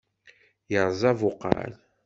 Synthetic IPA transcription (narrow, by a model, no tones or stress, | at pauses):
jəɾˤzˤɑvʊqːɑ̰ɾ